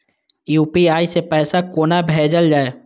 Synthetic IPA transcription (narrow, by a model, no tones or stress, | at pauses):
juːpiaːisepɛːsakoːnabʱeːd͡ʒəld͡ʒaːe